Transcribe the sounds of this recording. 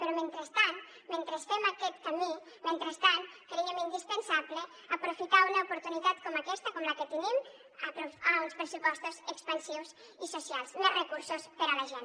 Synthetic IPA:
pəɾɔment̪ɾəst̪an | ment̪ɾesfɛmakɛt̪kami | ment̪ɾəst̪ankɾeemind̪ispənsaβle | əpɾufit̪aunɐupuɾt̪unit̪at̪kɔmakɛst̪əkɔmləkət̪ənim | əpɾufaunspɾəsupɔst̪uzəkspənsiwz | isusialˠsnorəkuɾsuspəɾələʒen

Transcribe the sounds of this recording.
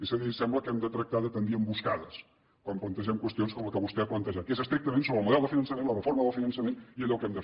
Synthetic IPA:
ezəðisɛmbləkɛmd̪ət̪ɾək̚t̪aðət̪ənd̪iəmbuskaðəs | kwamplənt̪əʒɛmkwəst̪ionskɔmləkəβust̪ɛaplənt̪əʒat̪kezəkst̪ɾik̚t̪əmẽnsoβɾəlˠmuðɛlˠd̪əfinənsəmẽnlərəfoɾməðəlˠfinənsəmeniəʎɔkɛmd̪ə

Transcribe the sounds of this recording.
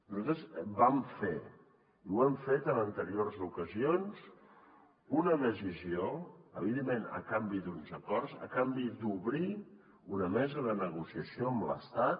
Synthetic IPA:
nuzat̪ɾəzbamfe | iwɛɱfet̪ənənt̪əɾiorzukəzionz | unəðəzizioəβiðemːenə̰kambid̪unzəkɔrzə̰kambid̪uβɾi | unəmɛzəðənəɣusiəsioəmlə̰st̪at̪̚

